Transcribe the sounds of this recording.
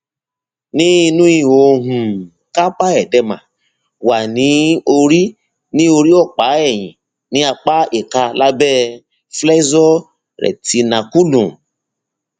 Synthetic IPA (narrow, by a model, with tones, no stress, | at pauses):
nĩ˦i˧nũ˦i˦˨wo˧ɦũ˨ | ka˦k͡pa˦ɛ˨dɛ˧mã̰˨ | wa˨nĩ˨˦o˧ɾi˦ | nĩ˦o˧ɾi˦ɔ˦˨k͡pa˨˦ɛ˦˨j̃ḭ̃˨ | nĩ˨˦a˧k͡pa˦e˦˨ka˧la˦bɛ˦ | flɛ˦zɔ˦ | ɾɛ̰˨ti˧˦nã˧˨ku˦lõ˨